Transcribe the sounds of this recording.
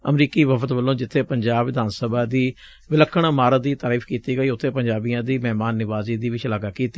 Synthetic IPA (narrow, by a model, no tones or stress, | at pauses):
əmɾiːkiːʋəpʰət̪ʋəlːõːd͡ʒɪt̪ʰːeːpəɲd͡ʒaːbʋɪd̪ʱaːnsəbaːd̪iː | ʋɪləkʰːəɳmaːɾəd̪iːt̪aːɾiːfʰkiːt̪iːɡəiːʊt̪ʰːeːpəɲd͡ʒaːbijãːd̪iːmɛːmaːnːɪʋaːziːd̪iːʋɪt͡ʃəlaːɡaːkiːt̪iː